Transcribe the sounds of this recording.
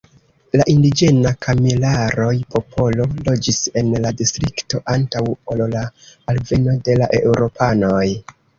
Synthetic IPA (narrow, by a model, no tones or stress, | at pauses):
laʔindid͡ʒe̞nakʰamilaɾo̞jpʰo̞pʰo̞lo̞lo̞d͡ʒise̞nladistɾikto̞ʔantawollaːlve̞no̞de̞laʔe̞uɾo̞pʰano̞j